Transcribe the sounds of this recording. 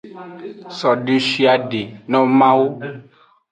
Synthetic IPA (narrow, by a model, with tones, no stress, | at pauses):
sɔ˨ɖe˨ʃi˨a˨ɖe˨nɔ̃˦mã˦wo˦